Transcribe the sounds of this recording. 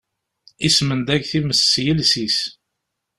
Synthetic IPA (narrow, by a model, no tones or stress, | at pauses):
ismənd̪æʝθiməsːjəlsis